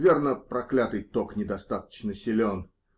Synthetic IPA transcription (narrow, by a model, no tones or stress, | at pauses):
vʲernəpɾɐklʲat̪ɨjt̪oknʲɪd̪ɐst̪at̪ə̥t͡ɕnəsʲɪlʲon